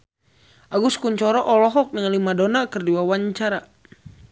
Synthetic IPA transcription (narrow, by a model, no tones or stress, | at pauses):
ʔaɡuskuɲt͡ʃɔɾɔʔɔlɔɦɔk̚nəŋalimadonakərduwawaɲt͡ʃaɾa